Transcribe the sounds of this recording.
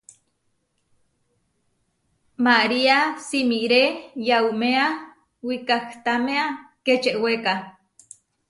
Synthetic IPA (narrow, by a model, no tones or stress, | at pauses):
maɾiasimiɾejaumea | wikakt̪ameaket͡ʃeʔweka